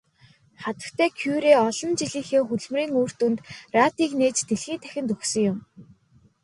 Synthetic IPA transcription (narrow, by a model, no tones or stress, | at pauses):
χat̪ə̆kt̪ʰæːkʰjuɾeːɔɮɞ̆nt͡ɕiɮiːxeːxuɮmriːŋuːr̥t̪unt̪raːt̪iːkneːt͡ɕt̪eɮxiːnt̪ʰæ̥xʲɪ̆nt̪ɵxsɵ̆ŋjʊm